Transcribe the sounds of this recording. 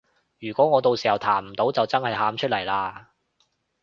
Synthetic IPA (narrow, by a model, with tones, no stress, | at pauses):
jyː˨˩kʷɔː˨˥ŋɔː˨˧t̪o˧wsiː˨hɐ˨˩wt̪ʰaː˨˩mm̩˨˩t̪o˨˥wt͡sɐ˨wt͡sɐ˥nhɐ˨jɦaː˨˥mt͡ʃʰɵ˥t̚lɐ˨˩jlaː˧